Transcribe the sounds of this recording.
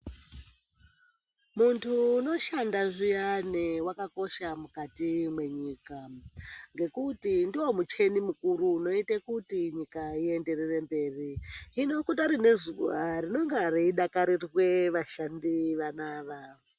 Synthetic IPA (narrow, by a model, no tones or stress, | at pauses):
muntʰuːno̞ʃandaʐijanewakako̞ʃamukatimwe̞ɲiːka | ŋɡe̞kutindiwo̞mut͡ʃe̞nimukuɾuːno̞itakutiɲikaie̞nde̞rere̞mbe̞ːriino̞kutaɾinezuwarino̞ŋɡaaɾeiɗakaɾirwe̞ʋaʃandiʋanaːʋa